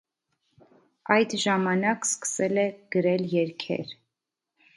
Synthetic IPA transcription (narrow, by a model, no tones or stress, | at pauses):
ɑjd̪ʒɑmɑnɑkskə̥sɛlɛɡ̥əɾɛljɛɾkʰɛ̰ɾ